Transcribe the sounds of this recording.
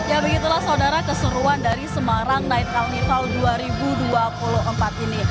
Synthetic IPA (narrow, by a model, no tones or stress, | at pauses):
jabəɡit̪ulahsaudaɾakəsəɾuandaɾisəmaɾaŋnaɪt̪̚kalnifalduaɾibuduapuloʔəmpat̪ini